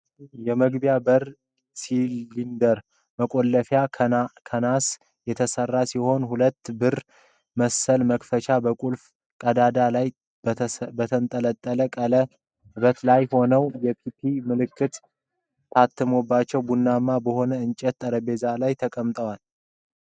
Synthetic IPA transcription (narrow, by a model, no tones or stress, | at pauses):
jɛməɡbjabəɾ | siind̪əɾ | məkʼo̞lːəfjakʰənas | jɛt̪ʰəsərːasiho̞nhulət̪ːbɨɾ | məsːəlməkfət͡ʃabəkʷʼulf | kʼəd̪ad̪alaj | bət̪ʰənt̪ʼələt̪ʼːələkʼələ | bət̪lajho̞nəwjɛpʰipʰimɨlɨkːɨt̪ | t̪ʰat̪ʰːɨmobːat͡ʃːɛwbunːamːabəho̞nəɨnt͡ʃʼɛt̪t̪ʼːəɾəbe̞zalajt̪ʰəkʼəmt̪ʼəwal